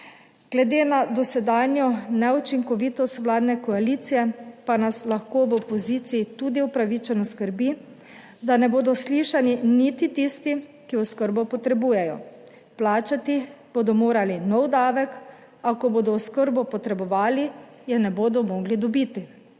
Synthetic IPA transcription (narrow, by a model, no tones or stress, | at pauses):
ɡ̥lɛd̪eːnad̪ɔsɛd̪aːnjɔnɛut͡ʃiŋkɔʋiːt̪ɔst̪ʋlaːd̪nɛkɔaliːt̪sijɛpanaslaxkoːʋɔpɔziːt̪siːt̪uːd̪iupɾaʋit͡ʃɛnɔskəɾbi | d̪anɛboːd̪ɔsliʃaninit̪it̪ist̪i | kiɔskəɾbɔpɔt̪ɾɛbuːjɛjɔ̰ | plaːt͡ʃat̪ib̥oːd̪ɔmoːɾalinɔwd̪aːʋɛk | akɔboːd̪ɔɔskəɾbɔpɔt̪ɾɛbɔʋaːli | jɛnɛboːd̪ɔmɔːɡlid̪ɔbiːt̪i